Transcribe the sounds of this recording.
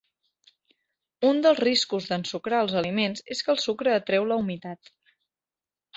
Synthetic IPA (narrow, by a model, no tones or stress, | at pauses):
und̪əlˠzriskuzðənsukɾaəlˠzəlimenzeskəlˠsukɾəːt̪ɾɛwləumit̪at̪